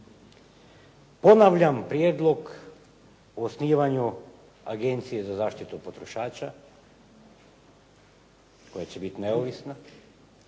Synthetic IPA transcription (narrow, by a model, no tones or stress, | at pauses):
po̞naʋʎampɾjeːd̪lˠo̞ɡ | oːsniːʋaɲu | a̰ɡent̪sije̞zazaːʃt̪it̪upo̞t̪ɾo̞ʃaːt͡ʃa | ko̞jat͡ɕebit̪ineoʋisna